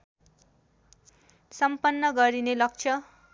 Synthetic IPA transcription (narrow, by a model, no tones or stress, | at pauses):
sʌmpʌnːʌɡʌɾinelʌk̚t͡sʰʌ